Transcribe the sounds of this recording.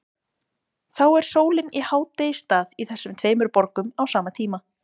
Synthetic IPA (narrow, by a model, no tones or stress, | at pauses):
θawɛɾ̥soːwlɪnihaːwt̪est̪aːðiθɛsːʏmt̪ʰveːjmʏɾpɔɾkʏmawsaːmat̪ʰiːma